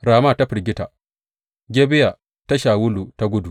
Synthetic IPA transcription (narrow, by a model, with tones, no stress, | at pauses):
ɾaː˨maː˦˨ta˦ɸɪ˨ɾɡʲɪ˦ta̰˨ | ɡʲeː˦bɪ˦ja˨ | ta˦ʃaː˨wʊ˦luː˨ta˦ɡʷʊ˦du˨